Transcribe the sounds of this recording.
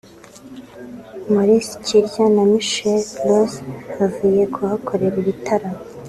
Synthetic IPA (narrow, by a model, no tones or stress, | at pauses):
moɾisi̥ciɾjanamiʃellozhavuje̞kʰohakʰo̞ɾe̞ɾiβitʰaɾa